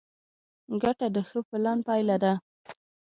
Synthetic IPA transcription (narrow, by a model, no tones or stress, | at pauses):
ɡaʈad̪əxəpɪlɑnpɑjlad̪a